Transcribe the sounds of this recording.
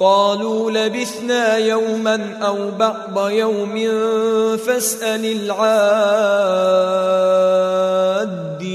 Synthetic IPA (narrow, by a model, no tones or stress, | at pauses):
qɑːluːlabɪθnaːjawmanʔawbɑʕd̪ˤajawmɪ | fasʔalɪlʕaː | d̪ː